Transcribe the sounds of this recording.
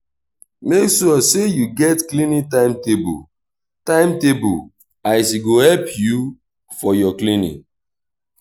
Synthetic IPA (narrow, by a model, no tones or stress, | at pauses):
meksuɔsejuɡɛtklinitãɪ̃mtebṵ | tãɪ̃mtebṵ | aɪs̬iɡohɛlpju | fɔjɔklinḭ̃